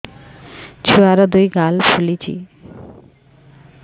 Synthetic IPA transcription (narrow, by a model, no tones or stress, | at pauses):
t͡ɕʰuaɾad̪ujɡalpʰulit͡ɕḭ